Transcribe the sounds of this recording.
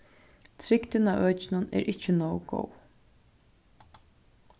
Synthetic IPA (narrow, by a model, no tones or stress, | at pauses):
t̪ʰɾɪkt̪ɪnaʔœːt͡ʃɪnanɛ̰ɾʔɪht͡ʃːɪnoːwɡo̰w